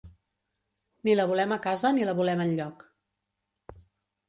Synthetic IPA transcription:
niləβulɛməkazəniləβulɛmənʎɔk

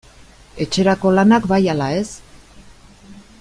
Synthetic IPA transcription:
e̞t͡ʃe̞ɾako̞lanakbajalae̞s

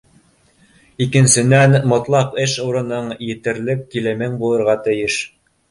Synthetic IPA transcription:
ikɘ̆nsɘ̆nænmŏt̪lˠɑpɘʃuɾɤ̆nɤɴjɘ̆t̪ɘ̆ɾlɘkːilɘ̆mɘŋbulˠɤ̆ɾʁɑt̪ɘ̆jɘʃ

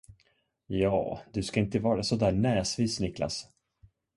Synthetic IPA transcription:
jɑ̰ːd̪ɵskaɪnt̪əvɑːɾasɔd̪æːɳɛːsviːsnɪkla̰s

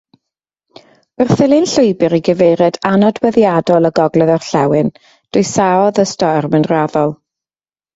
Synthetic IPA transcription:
ərθɪlˠɨnɬʊɨbɨɾiɡəvejɾɛdanɔdwəðjadɔlˠəɡɔɡlˠɛðɔrɬawɨn | d̥ʊɨsaɔðəstɔrmənraðɔlˠ

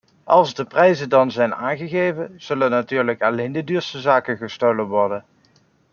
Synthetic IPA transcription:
ʔɑlˠzdəprɛjzəndɑnzɛjna̰ːnχəɣejvənz̥ɵlənːatyːɹləkɑlejndədyːɹstəzaːkənχəstowlənʋɔɹdən

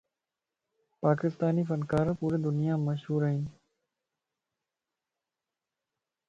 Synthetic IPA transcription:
paːkɪst̪aːniːfənkaːɾpuːɾeːd̪ʊnɪjaːməʃɦuːɾəɦiːn

